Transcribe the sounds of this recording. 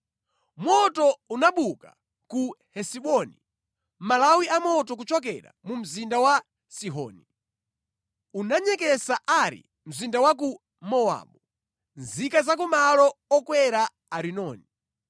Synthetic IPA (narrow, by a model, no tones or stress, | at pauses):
mɔtɔunaɓuka̰ | kuhɛsiɓɔni | malawiamɔtɔk̬ut͡ʃɔkɛ̰ɾa̰mum̩zindawa | siɦɔ̰ːni | unaɲɛkɛsaʔaɾḭ | m̩zindawak̬u | mɔwa̰ɓu | nzikazak̬umalɔːkwɛɾaː | ɾinɔːni